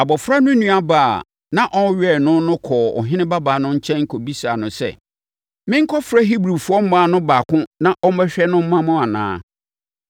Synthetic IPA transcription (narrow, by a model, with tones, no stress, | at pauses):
a˨bɔ˨fɾa˦nʊ̃˦nũ˦a˦baː˨a˨ | nã˦ʔɔ̃˦ɥᶣɛ˦˨nʊ̃˦n˦nʊ̃˦kʰɔː˨ɔ̰˨ɦɪ̃˦nɪ̃˦ba˦baː˨nʊ̃˦ɲ̩˦t͡ɕʰɛ̃˦ŋ̩˦kʰɔ˨bi˦sa˨nʊ̃˨sɛ̰˦˨ | mɪ̃˦ŋ̩˦kʰɔ˦fɾa˦ɦi˦bɾu˨fʊ˨˦ɔ˦m̩˦mãː˦˨nʊ̃˦baː˨kʊ̃˦nã˦ʔɔ˦m˦bɛ˦ɕᶣɛ˦nʊ̃˦m̩˦mã˦mʊ̃˦a˨nã̰ː˨˦